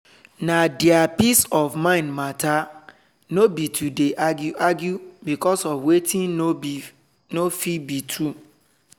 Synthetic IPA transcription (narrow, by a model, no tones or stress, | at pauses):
nadɛapisɔfmãɪ̃ndmata | nobitʰudeʔaɡjuʔaɡjubikɔsɔfwetʰĩno | nofibitʰu